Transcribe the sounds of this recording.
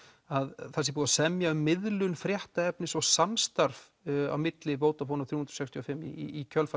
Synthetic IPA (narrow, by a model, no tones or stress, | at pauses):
aðθɛsɪpuːðasɛmjaʏmːɪðlʏnfɾjɛht̪aɛpnɪsɔɣsamst̪aɾv | a̰wmɪt̪lɪvoːwt̪afoːnaθɾjuːhunɾ̥ɔsɛkst̪ʰiɔfɪmːḭicʰœlfa